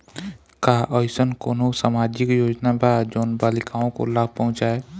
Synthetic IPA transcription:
kaːʔɔɪsənkoːnõsamad͡ʒɪkjoːd͡ʒnabʱad͡ʒoːnbaːlɪkaõko̰laːb̚ʱpɔɦʊ̃t͡ʃae

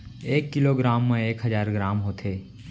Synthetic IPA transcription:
eːkːɪloɡɾaːmːẽeːkɦəzaːɾɡɾaːmɦoːt̪ʰeː

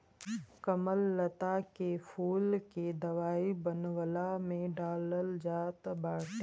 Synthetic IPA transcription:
kəməlːət̪akefʰuːlked̪əʋaːibənwəlamẽɖaːləld͡ʒaːt̪baːʈe

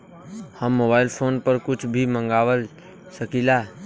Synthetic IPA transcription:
həmːoːbaːɪlpʰoːnpəɾkʊt͡ʃʰbʱimə̃ŋɡaːʋəl | səkilaː

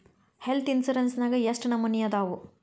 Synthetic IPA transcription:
helt̪ʰinsɐɾɐnsnaːɡɐjɐsʈnɐmːunijɐd̪aːʋu

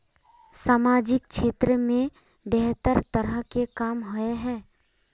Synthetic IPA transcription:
saːmaːd͡ʒɪk̚ʃʰeːt̪ɾəmẽ | bɛɦt̪əɾt̪əɾəɦkekaːmɦoeɦɛː

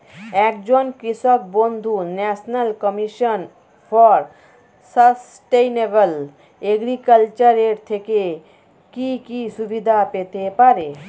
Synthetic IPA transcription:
ɛk̚d͡ʑonkɾiʃɔk̚bond̪ʱunɛʃnalkɔmiʃɔn | fʰɔɾ | səs | ʈejnebəl | eɡɾikəlt͡ɕaɾeɾt̪ʰeke | kikiʃubid̪ʱapet̪epaɾe

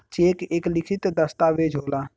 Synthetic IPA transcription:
t͡ʃeːkeːklɪkʰɪt̪d̪əst̪aːʋeːd͡ʒʱoːlaː

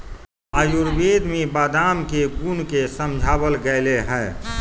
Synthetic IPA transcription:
aːjuɾbeːd̪mẽbaːd̪aːmkeɡunkesəmd͡ʒʱaːbəlɡəɪleɦɛː

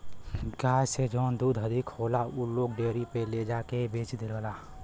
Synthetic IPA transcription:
ɡaːjsed͡ʒɔːnd̪uːd̪ʱɦəd̪ʱikʰhoːlauloːɡɖeːɾipeled͡ʒaːkebeːt͡ʃd̪eləlaː

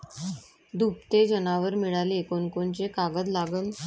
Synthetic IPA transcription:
d̪ʱup̚t̪ed͡ʑənaʋəɾmiɭaleekonkont͡ɕekaɡəd̪laɡən

